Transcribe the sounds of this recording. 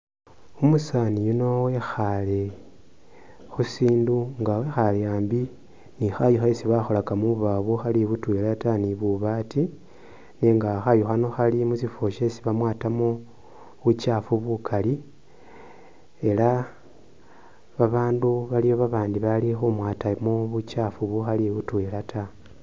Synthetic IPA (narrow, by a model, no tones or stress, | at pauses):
umusanijuno̞wexale | xusiːnduŋɡawexaljaːmbi | nixajuxaisiβaxolakamuβaβuxaliβutwelataniβuβati | neŋɡaxajuxanoxalimuzifoʃe̞siβamwaːtamo | βut͡ʃafuβukʰali | e̞la | βaβaːnduβalijo̞βaβaːndiβalixumwaːtamoβut͡ʃaːfuβuxaliβutweːlatʰa